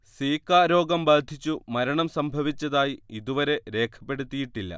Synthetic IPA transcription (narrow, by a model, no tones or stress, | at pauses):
swiːkːaːɾo̞ːɡɐmbaːd̪ʱit͡ɕːumɐɾɐɳɐmsɐmbʱɐʋit͡ɕːɐðaːjiiðuʋɐɾe̞ɾe̞ːkʰɐ̥pːe̞ɽut̪ːijiʈːilːɐ̰